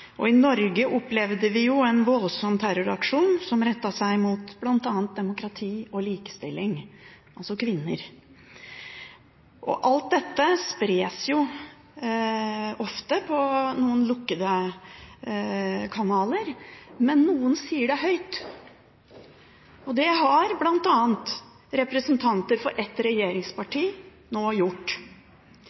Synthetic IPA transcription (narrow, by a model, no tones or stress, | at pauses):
ʔɔ̰ɪnɔɾɡəʔɔpːlɛʋd̪əʋɪjʊɛnʋɔlsɔmt̪ʰæɾʊɾɑkʂuːnsɔmɾɛt̪ːɑsæɪmut̪b̥lɑnt̪ɑːnt̪̚d̪ɛmʊkɾɑt̪ʰiːɔliːkə̥st̪ɪlːɪŋʔɑlsɔkʰʋɪnːəɾ | ʔɔ̰ʔɑlt̪̚d̪ɛt̪ːəspɾeːsjʊ | ɔft̪əpʰɔnuːənlʊkːəd̪ə | kʰɑnɑːləɾmɛnːuːənsiːəɖɛɦœʏt̪ | ɔd̪ɛɦɑɾblɑnt̪ɑːənt̪ | ɾɛpɾəsənt̪ʰɑnt̪əɾfɔɾʔɛt̪ɾɛjeːɾɪŋspɑʈʰiː | noːjʊʈː